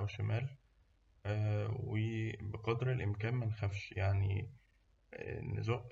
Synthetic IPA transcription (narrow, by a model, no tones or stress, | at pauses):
wʃæmæːl | webeqɑd̪ɾelʔemkæːnmænxæfʃjaʕnḭ | nḛzoːʔ